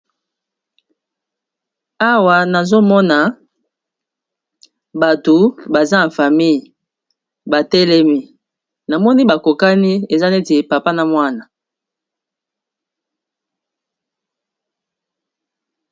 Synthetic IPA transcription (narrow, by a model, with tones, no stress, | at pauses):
a˦wa˨na˨zo˦mɔ˦na˨ | ba˨to˨ba˨za˦na˨fa˨mi˦˨j | ba˨tɛ˦lɛ˦mi˦ | na˨mɔ˦ni˦ba˨ko˨ka˦ni˦e˨za˦ne˦te˨pa˨pa˦na˨mwa˦na˨